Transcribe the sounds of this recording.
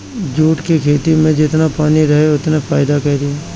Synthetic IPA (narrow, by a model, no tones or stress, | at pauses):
d͡ʒuːʈkekʰeːt̪imẽd͡ʒɪt̪napaːniɾɐɦeʊt̪nefʰaːɪd̪akɛɾɪeː